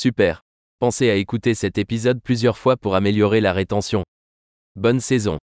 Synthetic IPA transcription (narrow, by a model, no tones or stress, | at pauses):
sypɛːʁ | pɑ̃seaekut̪esɛt̪epizɔd̪̚plyzjœʁfwapuʁameljɔʁelaʁet̪ɑ̃sjɔ̃ | bɔnsɛzɔ̃